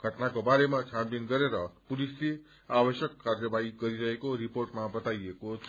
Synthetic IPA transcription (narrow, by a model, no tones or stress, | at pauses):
ɡʱʌʈnakobaɾemat͡ʃʰanpinɡʌɾeɾʌpulisli | abʌʃjʌkːaɾjʌbaiɡʌɾiɾʌɦekoɾipoɾʈmabʌt̪ajeko